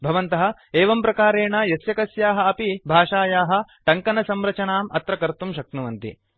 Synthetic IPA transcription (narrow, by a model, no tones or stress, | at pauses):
bʱɐʋɐnt̪ɐɦɐ̆eːʋɐmpɾɐkaːɾeːɳɐjɐsjɐkɐsjaːɦɐ̆ɐpibʱaːʂaːjaːɦɐ̆ʈɐŋkɐnɐsɐmɾɐt͡ʃɐnaːmʔɐt̪ɾɐkɐɾt̪umʃɐk̪̚nuʋɐnt̪ḭ